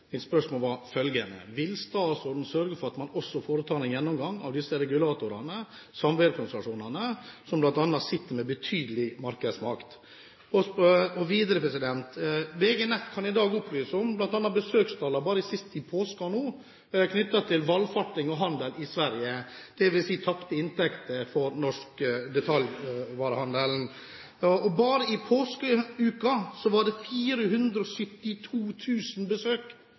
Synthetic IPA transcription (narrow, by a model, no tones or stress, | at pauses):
mɪt̪spœʂmoːlʋɑɾfœlɡənə̰ʋɪlst̪ɑːsɔd̪n̩sœɾɡəɾfɔɾɑt̪mɑnɔsːɔfoːɾət̪ʰɑːɾɛnjɛnːɔmɡɑŋːɑ̰ʋd̪ɪsːəɾɛɡʉlɑːt̪ʊɾɑnə | sɑmʋeːɾkʰʊnsəlɑʂuːnɑnəsɔmblɑnt̪ɑnːɑt̪sɪt̪ːəɾmɛbət̪ʰyːd̪əlɪmɑɾkəd̪smɑkt̪ | ɔɔʋiːd̪əɾəpʰɾɛsɪd̪ɛnt̪bɛːɡənɛt̪ːkʰɑnɪd̪ɑːɡʊplyːsɔmblɑnt̪ɑnːɑt̪̚bəsøːkst̪ʰɑːlːɑbɑːɾəɪsɪst̪ɪpʰoːskɑnoː | kʰnʏt̪ːɑt̪ʰɪlʋɑlfɑʈːɪŋɔɦɑnd̪əlɪsʋæɾjəd̪̥ɛʋɪlsiːt̪ʰɑpt̪əɪnt̪ʰɛkt̪əfɔɾnɔʂkəd̪ɛt̪ʰɑljʋɑːɾəhɑnd̪əln̩ | ɔbɑːɾəɪpʰoːskəʉːkɑsɔʋɑɖɛfiːɾəɦʉnd̪ɾɔsʏt̪ːɪt̪ʰuːt̪ʰʉːsn̩bəsøːk